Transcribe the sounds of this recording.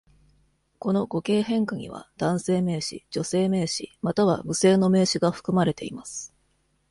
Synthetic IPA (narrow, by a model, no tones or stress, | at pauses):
ko̞no̞ɡo̞ke̞ːɦẽ̞ŋkaɲ̟ḭβa̰d̪̥ãɰ̃se̞ːme̞ːɕḭd͡ʑo̞se̞ːme̞ːɕḭmat̪aβ̞a̰mɯ̟se̞ːno̞me̞ːɕiɡaɸɯ̥kɯ̟maɾe̞t̪e̞imasɨ̥